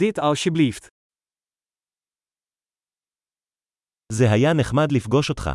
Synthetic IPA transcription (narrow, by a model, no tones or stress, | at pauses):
it̪alʃiblift̪ | zeɦajane̞χmad̪lifɡo̞ʃo̞tχa̰